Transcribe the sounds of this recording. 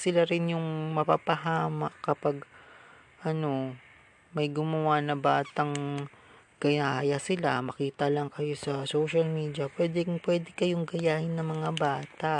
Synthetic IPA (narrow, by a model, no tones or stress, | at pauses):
sɪlaɾɪnjʊŋmɐpa̰ːpɐɦaːmɐkɐpaɡ | ʔɐno̞ | mɐjɡʊmɐwanɐbaːt̪ɐŋ | ɡ̥ɐjajɐsɪla̰mɐkiːt̪ɐlɐŋkɐjo̞sɐsowʃɐlmiːd̪jɐpwɛːd̪ɛŋpwɛːd̪ɛkɐjoŋɡɐjaːhɪnːɐŋmɐŋabaːt̪a